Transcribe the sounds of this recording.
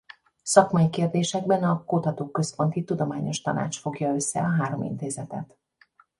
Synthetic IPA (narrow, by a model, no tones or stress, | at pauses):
sɒkmɒjikeːrd̪eːʃɛɡ̚bɛnɒkut̪ɒt̪oːkø̞spo̞nt̪it̪ud̪o̞maːɲo̞ʃt̪ɒna̰ːt͡ʃfo̞ɡjɒø̞sːɛ̰ɒɦaːɾo̞mḭnt̪eːzɛt̪ɛ̰t̪